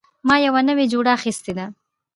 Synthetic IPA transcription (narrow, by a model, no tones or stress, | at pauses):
mɑjawanəwed͡ʒuɽaːxist̪ed̪a